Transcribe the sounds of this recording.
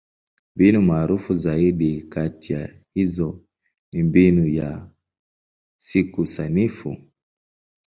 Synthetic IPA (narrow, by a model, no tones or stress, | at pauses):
mbinumaːɾufuzaiɗikatija | hizɔ | nimbinuja | sikusanifṵ